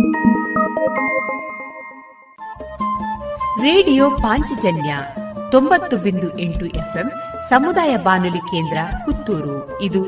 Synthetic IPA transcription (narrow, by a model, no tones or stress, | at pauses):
ɾeːɽijoːpaːɲt͡ʃid͡ʒɐnjɐt̪ombɐt̪ːubind̪uʔeɳʈuʔepʰemsɐmud̪aːjɐbaːnulikeːnd̪ɾɐkut̪ːuːɾu | id̪u